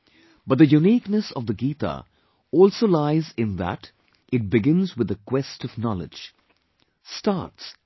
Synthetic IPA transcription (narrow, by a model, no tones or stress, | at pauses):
b̥ʌt̚d̪ɨjuniːknəsʌvðəɡiːt̪a̰ | ɔlˠsolaɪzɪ̃nðə̰t | ɨt̚bɪɡɪ̃nzwɨðəkwɛstʌvnɑlɪ̰̥d͡ʒ̥ | stɑ̰ts